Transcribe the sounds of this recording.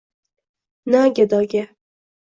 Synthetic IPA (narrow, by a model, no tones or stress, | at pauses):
naɡʲad̪ɒɡʲa